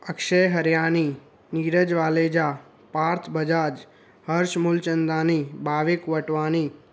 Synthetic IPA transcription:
əkʃəjɦəɾjaːni | niɾəd͡ʒʋaːleːd͡ʒa | paːɾt̪ʰbəd͡ʒaːd͡ʒ | həɾʃmʊlt͡ʃənd̪ãːnibaːʋekʋəʈʋaːni

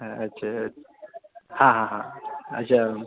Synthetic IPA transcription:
ɐtːɕʰa | hãɦãɦãɐ̰ɕʰa

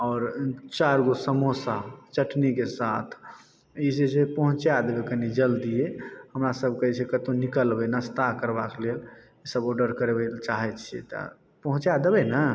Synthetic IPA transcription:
ɔːɾt͡ʃaɾɡosəmosat͡ʃəʈnikesat̪ʰ | isesepəɦũt͡ʃad̪ebɛkənid͡ʒəld̪ijehəmɾasəb̚kəɦit͡ʃʰɛkət̪onikəlbɛnəst̪akəɾbakelel | isəbɔɖəɾkəɾebɛlt͡ʃaɦɛt͡ʃʰiḛt̪a̰ | pəɦũt͡ʃad̪ebɛnə

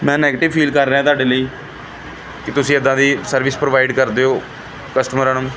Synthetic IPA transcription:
mɛ̃ːnɛːɡeʈɪʋpʰiːlkəɾːɦãːt̪aːɖeːləiː | kɪt̪ʊsĩːəd̪ãːd̪iːsəɾʋɪspɾoːʋaːɪɖkəɾd̪eːɦoː | kəsʈəmɾəːnʊm

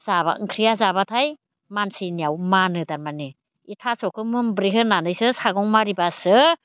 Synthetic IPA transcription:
z̥aba̰ɯŋkʰɾijazabatʰaj | mansinijawmanɯdaɾmani | itʰasɔkʰɯmɯŋbɾiɦɯnanɯjsɯsaɡɔŋmaɾibasɯ

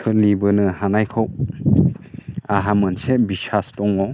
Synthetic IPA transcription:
kʰɯlibɯnɯhanajkʰow | aɦamɯnsebisastɔŋɔ

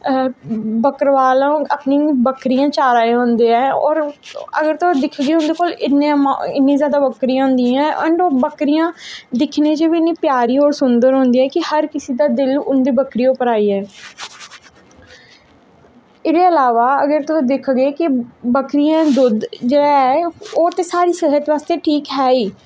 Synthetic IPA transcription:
bəkəɾʋaːlãːaːpniːbəkɾiːjãːt͡ʃaːɾaːeɦõːnd̪eːɛːɔ̰ːɾəɡəɾt̪ʊd̪ɪkʰɡeːʊnd̪eːkoːlɪnːḛ̃ɪnːĩːzjaːd̪aːbəkɾiãːɦʊ̃ːnd̪iːɛ̃ːʔəɳɖoːbəkɾijãːd̪ɪkʰnẽːt͡ʃeʋiɪnːiːpjaːɾiːɔːɾsʊnd̪əɾɦõːnd̪iːɛ̃ːkɪhəɾkɪsiːd̪aːd̪ɪlʊnd̪iːbəkɾiːoʊpəɾaːiːɛː | ɪɾeːəlaːʋaːəɡəɾt̪ʊsːd̪ɪkʰɡeːkɪbəkɾijãːd̪ʊd̪d͡ʒeɽaːɛoːt̪eːsaːɾiːsɪɦət̪ʋaːst̪eːʈʰiːkɦɛːiː

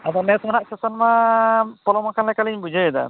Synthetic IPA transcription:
ad̪ɔnɛsmanaʔsɛsɔnmapɔlɔmakanlajkaliɲbud͡ʒəjd̪a̰

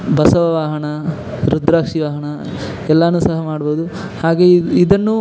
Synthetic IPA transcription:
bɐsɐʋɐʋaːɦɐɳɐ | ɾud̪ɾaːkʂiʋaːɦɐɳɐ | ɛlːɐnuːsɐɦɐmaːɽboːd̪u | haːɡe̞id̪ɐnːu

